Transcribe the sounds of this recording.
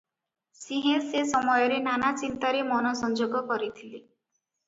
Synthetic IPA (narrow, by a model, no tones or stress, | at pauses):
siɦẽsesɔmɔjɔɾenanat͡ʃint̪aɾemɔnɔsɔnd͡ʒoɡɔkɔɾit̪ʰili